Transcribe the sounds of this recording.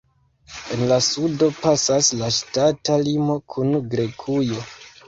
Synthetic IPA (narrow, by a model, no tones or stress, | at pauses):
e̞nlasudo̞pasaslaʃtatalimo̞kʰunɡɾe̞kʰujo̞